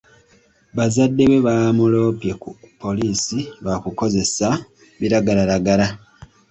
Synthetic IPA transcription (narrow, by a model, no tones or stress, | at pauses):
βazadːe̞βwe̞βamulo̞ːpjekupʰːo̞liːsiβakuko̞ze̞sa | βiɾaɡalaɾaɡala